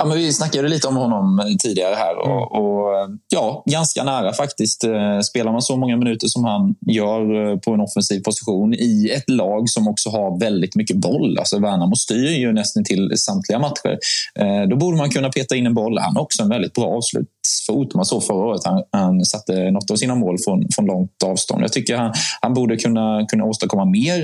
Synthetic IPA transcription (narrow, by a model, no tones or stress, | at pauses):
jɑːmɛnvɪsnakːad̪d̪ɛliːt̪əɔmhɔnːɔmt̪ʰiːd̪ɪɡaɾəhæ̰ːɾɔ̰ɔjɑːɡanska̰næːɾafakt̪ɪst̪speːlaɾmansɔmɔŋːamɪnʉ̟ːt̪əʂɔmhanjœːɾpʰɔɛnɔfːɛnsiːvpʰʊsɪɧuːnɪɛt̪lɑːɡsɔmɔksɔɦaɾvɛld̪ɪt̪mʏkːəbɔlːa̰lsɔvæːɳamɔst̪yːɾjɵnɛst̪ənt̪ʰɪlsamt̪ʰlɪɡamat̪ɧə̰ɾd̪ɔbuːɖəmankʰɵnːapʰeːt̪aɪnːɛnbɔlːha̰nɾɔksɔɛnvɛld̪ɪt̪̚bɾɑ̰ːɑːvslʉ̰ːt̪sfuːt̪mansofœɾaoːɾət̪hanhansat̪ːənɔt̪ːavsiːnamoːlfɾɔnfɾɔnlɔŋt̪ɑːvst̪ɔ̰nd̪jɑ̰ːt̪ʰʏkːəɾhanhanbuːɖəkʰɵnːakʰɵnːaoːst̪əkʰɔmːameːɾ